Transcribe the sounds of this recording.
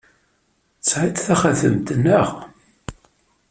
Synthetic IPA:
t͡sːʕit̪θæχaθə̰mt̪nːəʁ

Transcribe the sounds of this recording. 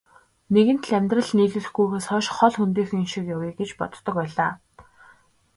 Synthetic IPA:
neɣɘ̆nt̪ɮæmʲt̪rə̆ɮniːɮɘ̆ɮxɡujpaːsχɔʃχɔɮxunt̪̬iːxɘ̆ŋinʃĭkjawiɡet͡ɕpɔ̰t̪̆t̪ːɞ̆kpæːɮaː

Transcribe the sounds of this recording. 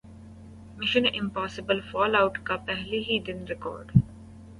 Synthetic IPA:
mɪʃə̃nʔɪ̃mpɔːsɪbəlfɔːlaʊʈkapɛɦliɦid̪ɪnɾɪkɔ̰ːɾɖ

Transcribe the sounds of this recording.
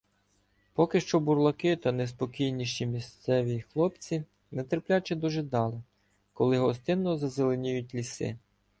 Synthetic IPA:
pɔkɪʃt͡ʃɔburlˠɐkɪt̪ɐnɛs̬pɔkʲijnʲiʃt͡ʃʲimʲist̪sɛʋʲixlˠɔpt͡sʲi | nɛt̪erplʲat͡ʃɪd̪ɔʒɪd̪ɑlˠɪ | kɔlˠɪɦɔst̪ɪnːɔzɐzelˠenʲijʊtʲlʲisɪ̰

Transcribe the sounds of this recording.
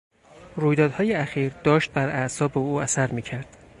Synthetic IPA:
ɾuːjd̪ɒːd̪hɒːjeæxiːɾd̪̥ɒːʃt̪̚bæɾæʔsɒːbeuːæsæɾmiːcʰæɾd̪̥

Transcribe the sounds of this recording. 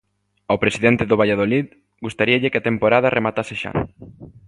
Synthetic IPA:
awpɾesiðent̪ɪðʊβ̞aʎað̞olið | ɡust̪aɾiɐʎɪkeat̪empoɾaðɐrʔemat̪asɪʃa̰ŋ

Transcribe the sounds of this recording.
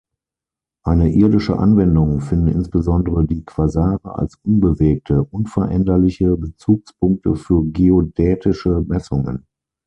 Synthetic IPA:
ʔaɪnəʔɪɐdɪʃə̰ʔa̰nvɛndʊŋfɪndn̩ɪ̰nsb̥əzɔndəʁədiːkv̥azaːʁəʔa̰lsʔʊnbəveːk̚tʰəʔʊnfɛɐʔɛndɐlɪçəbət͡suːkspʰʊŋk̚təfyːɐɡeodɛːtʰɪʃəmɛsʊŋə̰n

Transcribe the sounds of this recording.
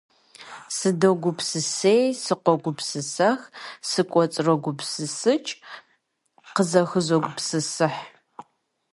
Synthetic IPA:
sɨdoɡʷʊpʰsɨsejsɨqʷɔɡʷʊpsɨsɐxsɨkʷʼɔt͡sʼrɐɡʷʊpsɨsɨt͡ʃʼ | qəzɐxɨzoɡʷʊpsɨsɨħ

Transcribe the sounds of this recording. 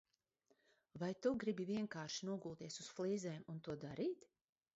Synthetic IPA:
vajt̪uɡɾibiviɛŋkaːɾʃinuɔɡuːlˠt̪iɛsusflˠiːzɛːmunt̪uɔd̪aɾiːt̪

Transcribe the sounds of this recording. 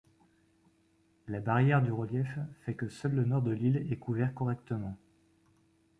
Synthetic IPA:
labaʁjɛʁd̪yʁəljɛfːɛkəsœlːənɔʁd̪əlilɛkuvɛʁkɔʁɛkt̪əmɑ̃

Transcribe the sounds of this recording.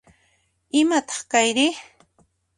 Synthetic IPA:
ɪmat̪ɑ̥χkajɾɪ

